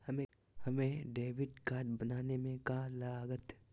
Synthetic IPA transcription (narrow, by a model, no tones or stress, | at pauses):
hɐmẽ | hɐmẽɖeːʋɪɖkaːɾɖ̚bɐnaːnemẽkalaːɡət̪